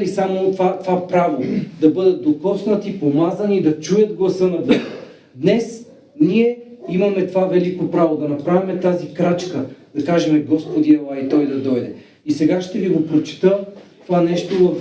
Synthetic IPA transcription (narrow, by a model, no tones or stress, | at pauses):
lisamot̪vat̪ovapɾavod̪ɐbɤd̪ɐt̪̚d̪okɔsnət̪ipomazɐniːd̪ɐt͡ʃujət̪̚ɡlˠɐsɤnɐd̪ɛx | d̪nɛs | niɛimɐmɛt̪ovavɛlikopɾavod̪ɐnɐpɾavimɛt̪azikɾat͡ʃkəd̪ɐkaʒɛmɛɡɔspod̪iɛlˠajit̪ɔjd̪ɐd̪ɔjd̪ɛ | isɛɡaʃt̪ɛviɡopɾot͡ʃɛ̥t̪ət̪ovanɛʃt̪ovɐf